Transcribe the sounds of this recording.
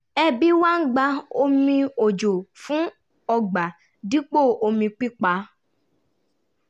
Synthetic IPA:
ɛ˧bi˦wa˦ŋ̩˦ɡ͡ba˧o˧mĩ˧o˨d͡ʒo˨fũ˦ | ɔ˧ɡ͡ba˨ | di˦k͡po˦˨o˧mĩ˧k͡pi˦k͡pa˧

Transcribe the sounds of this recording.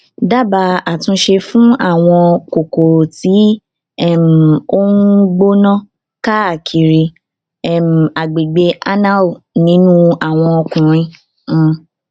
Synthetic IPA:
da˦˨ba˧a˨tũ˧ʃe˧fũ˦a˦˨w̃ɔ̃˧ko˨ko˨ti˨˦ | ɛ˦˨m̩˨o˦nũ˦ɡ͡bo˦nã˦ | ka˦a˦˨kʰi˨ɾi˧ | ɛ˦˨m̩˨a˨ɡ͡be˨ɡ͡be˧a˦na˦˨nĩ˨˦nũ˦a˨w̃ɔ̃˧ɔ˧kũ˨ɾ̃ĩ˧˦˧

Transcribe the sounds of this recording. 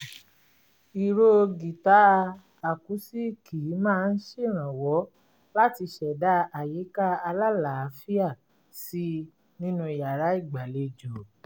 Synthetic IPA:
i˨ɾo˦˧ɡi˨ta˨˦˧ | a˨ku˨˦si˦ki˨˦mãː˦˧n̩˦ʃe˦˨ɾ̃ã˨wɔ˨˦ | la˦ti˧ʃɛ˨da˦a˨ji˨˦ka˦a˧la˦la˨a˧˦fi˦a˦˨ | si˦ | nĩ˦nũ˧i˨ja˨ɾa˨˦i˦˨ɡ͡ba˨le˧d͡ʒo˨

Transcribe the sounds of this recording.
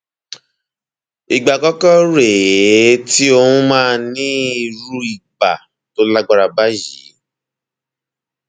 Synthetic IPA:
i˨ɡ͡ba˨kɔ˦kɔ˦ɾe˨˦ti˦o˧hũ˦mãː˦˧nĩ˦i˧ɾu˦i˨ɡ͡ba˨ | to˦la˦ɡ͡ba˦ɾa˧ba˦ji˨˦

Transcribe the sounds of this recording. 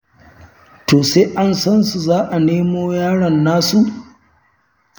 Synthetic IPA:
toː˨seː˦ʔa˦nsɐ˦nsu˨zaː˦ʔa˨neː˦moː˦jaː˦ɽɐ˨nːaː˦su˨ʔ

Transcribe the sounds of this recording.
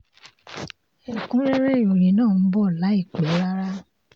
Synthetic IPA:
ɛ˨kũ˦ɾe˦ɾe˦˨o˨ɾĩ˨˦nãː˦˨n̩˦bɔ˦˨la˨˦i˦˨k͡pɛ˨˦ɾa˦ɾa˦

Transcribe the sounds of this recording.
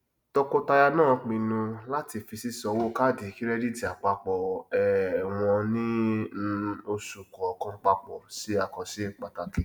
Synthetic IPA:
tɔ˧ko˦ta˧ja˧nãː˦˨k͡pĩ˧nũ˧la˦ti˧fi˧si˦sɔ˧wo˦ka˦˨di˨˦ki˦ɾɛ˦di˦di˨a˨k͡pa˧k͡pɔ˨ɛ˨w̃ɔ̃˧nĩ˦ | o˧su˨kɔ˨kã˦k͡pa˧k͡pɔ˨si˨˦a˨kɔ˨si˨˦k͡pa˨ta˧ki˦

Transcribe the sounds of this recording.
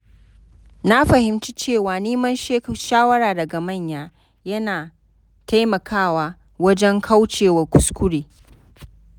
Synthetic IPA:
na˦ɸɐ˨hɪ˨mt͡ʃiː˦t͡ʃeː˦˨waː˨neː˦mɐ˦nʃeː˦kʃaː˦wɐ˦ɾaː˨dɐ˨ɡa˨mɐ˦˨ɲjaː˦ | jɐ˦naː˨ | ta˦jmɐ˨kʰaː˦˨waː˦ | wɐ˦d͡ʒɛ˦ŋkʰa˦wt͡ʃeː˨wɐ˨kʷʊ˦skʷʊ˦ɽeː˨

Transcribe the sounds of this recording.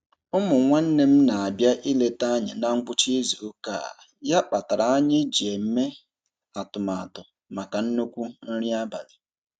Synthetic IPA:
ʊ˦mʊ˨ŋʷa˦n̩˦ne˦m̩˦na˨a˨bja˦ʔi˦le˦ta˦ɲɪ˨na˦ŋ̩˦ɡ͡bʊ˦t͡ʃi˦zu˨ʊ˦ka̰ː˦˨ | ja˦k͡pa˨ta˨ɾa˨a˦ɲɪ˦d͡ʒi˨e˨m̩˦me˦ | a˨tʊ˨ma˨a˨tʊ˨ | ma˨ka˨n̩˦no˦kʷu˦n̩˦ɾi˦a˦ba̰˨lɪ˨

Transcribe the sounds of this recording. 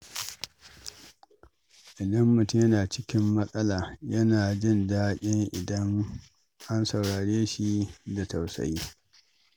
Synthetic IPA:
ʔɪ˨dɐ˦mːʊ˨tʊ˦mjɐ˦naː˨t͡ʃɪ˦kʲɪ˦mːɐ˦sʼɐ˦laː˨jɐ˦naː˨d͡ʒɪ˦˨ndaː˦kʲʼɪ˦ŋʔɪ̰˨dɐ˦ŋ | ʔa˦nsɐ˨wɽaː˨ɽeː˦ʃi˦da˨ta˨wsɐ̰˨jiː˦

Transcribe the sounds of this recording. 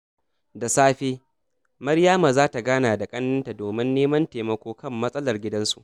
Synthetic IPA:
da˨saː˦ɸeː˦ | mɐ˦rjaː˦maː˨zaː˦ta˨ɡaː˦naː˨da˨kʼɐ˦nːɐ˦nta˨doː˨mɪ˦nːeː˦mɐ˦nteː˨mɐ˦kʷoː˦kɐ˦˨mːɐ˦sʼɐ˦lɐ˨rɡʲɪ˦dɐ˦nsu˨ʔ

